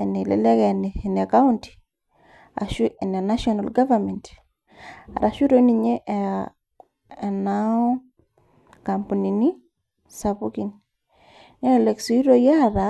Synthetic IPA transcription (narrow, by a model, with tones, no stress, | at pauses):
e˨ni˨lɛ̰lɛ˦ɡɛni˨na˨ka˦unti̥ | a̰˨ʃu˦ʔe˨na˨na˦ʃiɔna˨lɡa˦vamɛ˨nt | a̰˨ɾaʃu˦ɾo˦ni˨ɲe˦ʔ | naɔ˦ | ka˨mpu˨nini˦ | sapu˦kin | nɛ˦nɛ˨lɛ˨ksu˨i˦ɾoja˦ɾa